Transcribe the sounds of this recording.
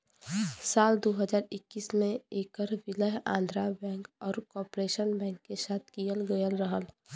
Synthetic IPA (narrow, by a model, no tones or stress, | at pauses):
saːld̪oːɦəd͡ʒaːɾɪkːiːsmẽeːkəɾʋɪləɦã̰ːnd̪ʱɾabɛ̃ːŋkɔːɾkɔːpɾeːʃənbɛ̃ːŋkːesaːt̪ʰkijəlɡəjəlɾəɦəl